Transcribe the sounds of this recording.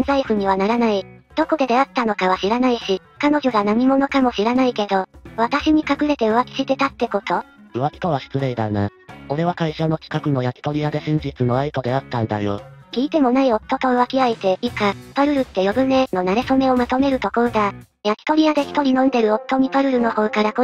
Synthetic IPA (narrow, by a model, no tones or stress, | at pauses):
nzaiɸɯ̟ɲ̟iβ̞anaɾanaid̪̥o̞ko̞d̪e̞d̪e̞at̪ːano̞kaβ̞aɕiɾanaiɕi | kano̞ʑo̞ɡanam̟ʲimo̞no̞kamo̞ɕiɾanaike̞d̪o̞βat̪aɕiɲ̟ikakɯ̟ɾe̞t̪e̞ɯ̟βakʲi̥ɕit̪e̞t̪at̪ːe̞ko̞t̪o̞ | ɯ̟βakʲi̥t̪oβaɕi̥t͡sɨɾeid̪a̰na̰o̞ɾe̞β̞akaiɕano̞t͡ɕi̥kakɯ̟no̞jakʲi̥t̪o̞ɾʲiad̪e̞ɕĩɲ̟d͡ʑit͡sɨno̞ait̪o̞d̪e̞at̪ːãnd̪a̰jo̰kʲiːt̪e̞mo̞naio̞t̪ːo̞t̪o̞ɯ̟βakʲiait̪e̞ikapaɾɯ̟ɾɯ̟t̪ːe̞jo̞bɯ̟me̞no̞naɾe̞some̞o̞mat̪o̞me̞ɾɯ̟t̪o̞ko̞ɾod̪a | jakʲi̥t̪o̞ɾʲiad̪e̞çʲi̥t̪o̞ɾʲinõ̞nd̪e̞ɾɯ̟o̞t̪ːo̞ɲ̟ipaɾɯ̟ɾɯ̟no̞ho̞ːkaɾako